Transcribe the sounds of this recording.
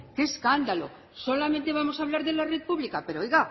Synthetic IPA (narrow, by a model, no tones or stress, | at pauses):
keskand̪alo̞̰ | so̞lament̪e̞β̞amo̞saβlaɾðelarepuβlikape̞ɾoojɣa